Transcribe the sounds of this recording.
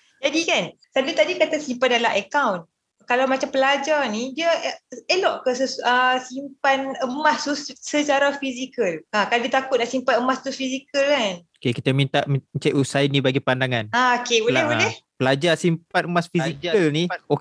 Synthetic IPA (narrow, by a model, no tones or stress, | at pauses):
d͡ʒadikan | sadit̪adikat̪asimpat̪dalaɦəkawn | kalawmat͡ʃampəlad͡ʒarnidiəʔəəlɔʔkəsəəsimpanəmast̪ussət͡ʃaɾafizikəlakaladit̪akʊt̪̚daʔsimpat̪əmast̪ufizikəlkanokekit̪amint̪aʔməmət͡ʃaʔusajnĩbaɡipandaŋanaokeulɛɦudɛhpəlad͡ʒasimpat̪̚əmasfizikəlnio